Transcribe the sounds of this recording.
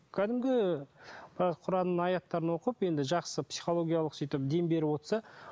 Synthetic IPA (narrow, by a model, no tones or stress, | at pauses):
kʲʰæd̪ɪmɡʲɪ | b̥ɪɾɑqʰʊɾɑnənɑjɑt̪ːɑɾənwo̞qəpje̞nd̪ɪʒɑqsəpsijχo̞lˠo̞ɡʲijɑlˠəqsijt̪ɪp̚d̪e̞mbe̞ɾɪwo̞t̪sɑ